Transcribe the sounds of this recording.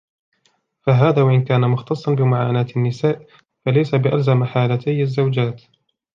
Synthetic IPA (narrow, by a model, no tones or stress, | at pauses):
faɦaːðaːwaʔɪnkaːnamʊxt̪ɑsˤːɑnbɪmʊʕaːnaːt̪anːɪsaːʔ | falajsabɪʔalzamaħaːlat̪ʰajazːawd͡ʒaːt̪